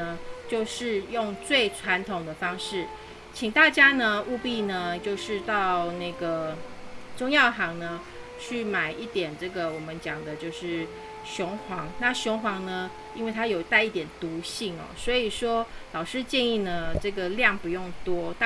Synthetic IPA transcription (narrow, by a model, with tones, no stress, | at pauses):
ə˧t͡ɕjo˥˧ʊʂɻ̩˥˧jʊ˥˧ŋt͡swe˥˩ɪʈ͡ʂʰwa˧˥nt̪ʰʊ˨˩ŋd̪ə˧fɑ˥ŋʂɻ̩˥˩ | t͡ɕʰi˨˩ŋt̪a˥˩t͡ɕja˥nə˧u˥˧pi˥˩nə˩t͡ɕjo˥˧ʊʂɻ̩˥˧t̪ɑ˥˧ʊna˥˩ɪɡə˩ | ʈ͡ʂʊ˥ŋjɑ˥˩ʊxɑ˧˥ŋnə˧ | t͡ɕʰy˥˩ma˨˩ɪʔi˥˩t̪jɛ˨˩nʈ͡ʂɤ˥˩ɡə˩wɔ˨˩mə˦nt͡ɕjɑ˨˩ŋd̪ə˦t͡ɕjo˥˧ʊʂɻ̩˥˩ | ɕʊ˧˥ŋxwɑ˧˥ŋna˥˩˨ɕjʊ˧˥ŋxwɑ˧˥ŋnə˧ | i˥nwe˥˩ɪt̪ʰa˥jo˨˩ʊ˥t̪a˥˧ɪi˥˩t̪jɛ˨˩nt̪u˨˧˥ɕi˥˩ŋɔ̰˨˩swɔ˧˥i˨˩ʂwɔ˥lɑ˨˩ʊʂɻ̩˥˧t͡ɕjɛ˥˧ni˥˩nə˩ʈ͡ʂɤ˥˩ɡə˩ljɑ˥˩ŋpu˧˦jʊ˥˩ŋt̪wɔ˥t̪